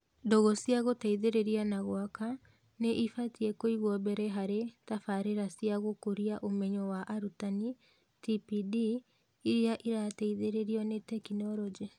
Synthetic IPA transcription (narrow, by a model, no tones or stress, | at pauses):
ndɔɣɔsiaɣotɛiðeɾeɾianaɣwaka | neʔifatiɛkoiɣwɔbɛɾɛɦaɾetafaɾeɾasiaɣokoɾiaʔomɛɲɔwaʔaɾutani | tipidiː | ɾiaʔiɾatɛiðeɾeɾiɔnetɛkinɔɾɔd͡ʒe